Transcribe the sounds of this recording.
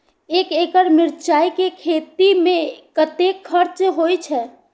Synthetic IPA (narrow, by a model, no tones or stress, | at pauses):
eːkeːkəɾmɪɾt͡ʃaːikekʰeːt̪imẽkət̪eːkʰːəɾt͡ʃɦoːit͡ʃʰɛː